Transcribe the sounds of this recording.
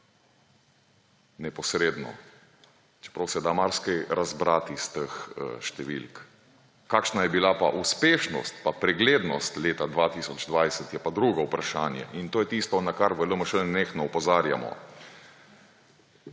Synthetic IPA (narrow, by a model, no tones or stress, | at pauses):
nɛpɔsɾeːd̪nɔ̰ | t͡ʃɛ̥pɾawsɛd̪amaɾskɛjɾazbɾaːt̪ist̪əxʃt̪ɛʋḭlk | kaːkʃnajɛbilapaʔuspeːʃnɔ̰st̪papɾɛɡleːd̪nɔst̪leːt̪ad̪ʋat̪isɔd͡ʒd̪ʋajsɛt̪jɛpad̪ɾuːɡɔupɾaʃaːnjɛ̰ʔint̪oːjɛt̪ist̪ɔnakaɾʋələməʃənexnɔupɔzaːɾja̰mɔ̰